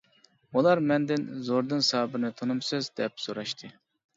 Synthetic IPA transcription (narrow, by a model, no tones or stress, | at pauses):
ulˠɑɾmɛnd̪ɪnzoɾd̪ɨnsɑːbɪɾnɨt̪ʰonumsøzd̪ɛp̚soɾɑʃt̪ʰɨ